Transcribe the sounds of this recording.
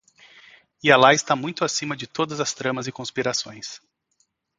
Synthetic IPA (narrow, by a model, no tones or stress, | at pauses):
ialaɪst̪amũj̃t̪ʊasĩmɐd͡ʒɪt̪od̪ɐzɐst̪ɾɐ̃mɐzɪkõspiɾasõj̃s